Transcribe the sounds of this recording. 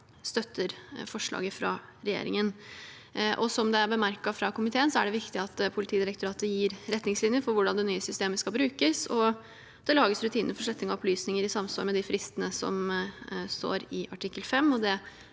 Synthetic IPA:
st̪œt̪ʰːəɾfɔʂɭɑ̰ːɡəfɾɑ̰ɾɛjḛːɾɪ̰ŋən | ʔɔsɔmd̪ɛæɾbəmæɾkɑfɾɑkʊmɪt̪ʰeːənsɔæɖɛʋɪkt̪ɪɑt̪pʰʊlɪt̪ʰiːd̪ɪɾək̚t̪ʊɾɑːt̪əjiːɾɾɛt̪ːnɪŋslɪnjəfɔɾʋʊɖɑnd̪ɛnyːəsʏst̪eːməskɑlbɾʉːkəsɔ | d̪̥ɛlɑːɡəsɾʉt̪ʰiːnəəfɔʂɭɛt̪nɪŋɔɔplyːsnɪŋəɾɪsɑmsɑ̰lmɛd̪ɪfɾʔɪst̪ənəsɔ̰m | st̪o̰ːɾɪɑʈʰɪkːəlfɛmːɔd̪ɛ

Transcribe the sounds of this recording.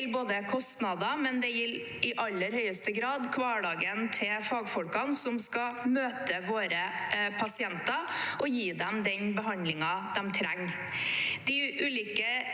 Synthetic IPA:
lboːd̪əkʰɔst̪nɑd̪ɑmɛnd̪ɛjɪl | ɪʔɑlːəɾhœʏəst̪əɡɾɑːd̪kʰʋɑːɖɑːɡənt̪ʰɪlfɑːɡfɔlkɑnsɔmskɑmøːt̪əʋoːɾəpʰɑsɪɛnt̪ɑʔɔjiːd̪ɛmd̪ɛnbəɦɑnd̪lɪŋɑd̪̥ɛmt̪ʰɾæŋ | d̪̥ɪʔʉːliːkə

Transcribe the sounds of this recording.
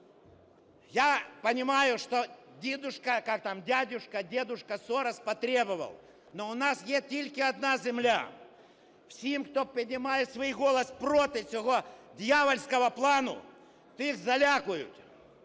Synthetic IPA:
japənʲɪmajʊʂt̪odʲed̪ʊʂkɐkak̚t̪amdʲadʲʊʂkɐdʲed̪ʊʂkɐsoɾɐspɐt̪ɾʲe̞bɨvɐ̰lˠ | noʊnasjet̪ʲilʲkʲɪɐd̪nazʲɪmlʲa̰ | fsʲemkt̪opɪnʲɪmajɪt̪svɐiɣolˠɐspɾot̪ɨsʲɪɣod̪ʲjavəlʲskɐvɐplˠanʊ̰ | t̪ɨixzɐlʲakʊjʊ̰t̪

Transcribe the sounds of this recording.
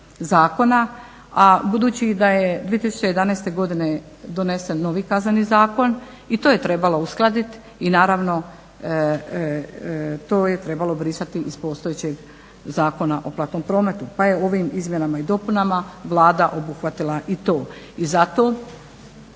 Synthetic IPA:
zaːko̞na | abud̪uːt͡ɕid̪ajed̪viːet̪isu̥t͡ɕeje̞d̪anajst̪e̞ɡo̞d̪ine̞ | d̪o̞ne̞senːo̞ʋikaznanizaːko̞n | it̪oːjet̪ɾe̞balo̞usklˠad̪it̪ | inaːɾaʋno̞ | t̪oːjet̪ɾe̞balo̞bɾisat̪iʔiz̥po̞st̪oet͡ɕe̞ɡ | zaːko̞naʔo̞plˠat̪no̞mpɾo̞ːme̞t̪upaje̞o̞ʋimizmjenamaid̪o̞punamaʋlˠaːd̪aʔo̞buxʋat̪ilˠaʔit̪o̞ː | izat̪o

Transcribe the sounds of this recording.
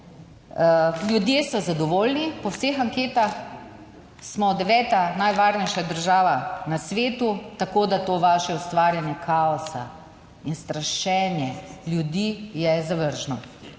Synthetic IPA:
ljud̪jeːsɔzad̪ɔʋoːlnipɔwseːxaŋkeːt̪ax | smɔd̪ɛʋɛːt̪anajʋaːɾnɛjʃad̪əɾʒaːʋanasʋeːt̪ut̪akoːd̪at̪oːʋaːʃɛust̪ʋaːɾjanjɛkʰaɔsa̰ | inst̪ɾaʃɛːnjɛlʲjud̪iːjɛzaʋəɾʒnɔ

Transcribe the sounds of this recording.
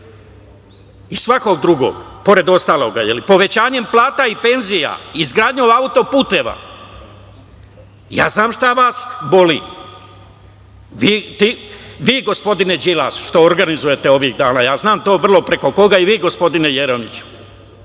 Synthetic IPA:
isʋako̞ɡ̚d̪ɾuɡo̞̰ɡpo̞ɾe̞d̪o̞st̪aːlˠo̞ːɡajelipo̞ʋe̞t͡ɕaːɲe̞mplˠaːt̪aipe̞nzija̰izɡɾaːd̪ɲoaut̪o̞puːt̪e̞ːʋa̰ | ja̰ːznaːmʃt̪aʋaːsbo̞lḭ | ʋiːt̪iʋiːɡo̞spo̞d̪ine̞d͡ʒilasʃt̪o̞oɾɡanizuje̞t̪e̞o̞ʋiːɣd̪aːnaːjaːznaːmt̪o̞ːʋr̩lˠo̞pɾe̞ko̞ko̞ɡaiʋiːɡo̞spo̞d̪ine̞je̞ɾomit͡ɕu̥

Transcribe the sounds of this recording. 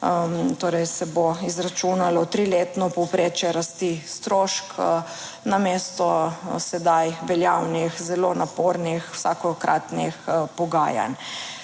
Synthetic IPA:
t̪oːɾɛjsɛboizɾat͡ʃunalɔt̪ɾileːt̪nɔpɔwpɾeːt͡ʃjɛɾast̪ist̪ɾoːʃk | nameːst̪ɔsɛd̪ajʋɛljawnixzɛloːnapoːɾnixwsaːkɔkɾʔat̪nixpɔɡaːja̰n

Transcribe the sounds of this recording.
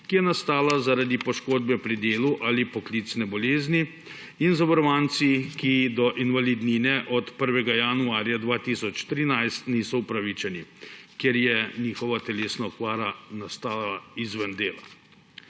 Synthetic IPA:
kijɛnast̪aːlazaɾad̪ipɔʃkoːd̪bɛpɾid̪eːluʔalipɔkliːt̪snɛbɔleːzni | inzabɔɾɔʋaːnt̪sikid̪ɔʔinʋalid̪ninɛʔɔt̪pəɾʋɛɡajaːnuaːɾjad̪ʋaːt̪isɔt͡ʃt̪ɾiːnajst̪niːsɔupɾaʋit͡ʃɛnikjeɾjɛniːxɔʋat̪ɛleːsnaɔkʋaːɾanast̪aːlaizʋənd̪eːla̰

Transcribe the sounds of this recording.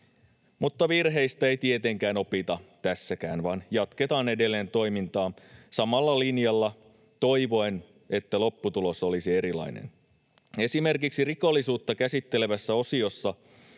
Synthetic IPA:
mut̪ːɑʋirɦe̞jst̪æe̞ijt̪ie̞t̪e̞ŋkæːno̞pit̪ɑt̪æsːækæːnʋɑnjɑt̪ke̞t̪ɑːne̞de̞lːeːnt̪o̞jmint̪ɑːsɑmɑlːɑlinjɑlːɑ | t̪o̞iʋo̞en | e̞t̪ːælo̞pːut̪ulo̞so̞lisie̞ɾilɑ̰inḛn | esime̞rkiksiriko̞lːisuːt̪ːɑkæsit̪ːe̞le̞ʋæsːæo̞sio̞sːɑ

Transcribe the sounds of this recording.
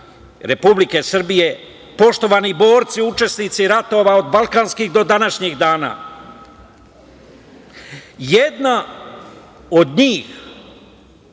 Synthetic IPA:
ɾepublike̞sr̩bije̞ | po̞ʃt̪o̞ʋaːnibo̞ːɾt̪siut͡ʃe̞snit̪siɾat̪o̞ʋao̞d̪balˠkanskiɣd̪o̞d̪anaʃɲiɣd̪aːna̰ː | jed̪na | od̪ɲiːx

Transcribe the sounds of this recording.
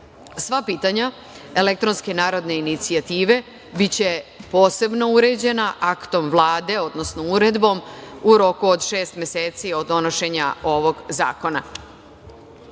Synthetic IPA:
sʋapiːt̪aɲa | ele̞k̚t̪ɾo̞nske̞naːɾo̞d̪ne̞init̪siat̪iːʋe̞ | bit͡ɕe̞po̞ːse̞bno̞uɾe̞d͡ʑe̞naʔakt̪o̞mʋlˠaːd̪e̞o̞d̪no̞sno̞uɾe̞d̪bo̞muɾo̞kuod̪ʃe̞ːst̪mje̞seːt̪sio̞d̪o̞no̞ʃe̞ɲao̞ʋo̞ɡza̰ːko̞na

